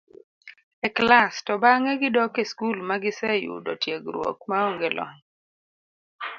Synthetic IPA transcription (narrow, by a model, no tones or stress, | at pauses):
ɛklastɔbaŋɛɡɪdɔkeskulmaɡɪsɛjṵdɔtjeɡɾwo̰k̚maoŋɡelʔɔ̰ŋ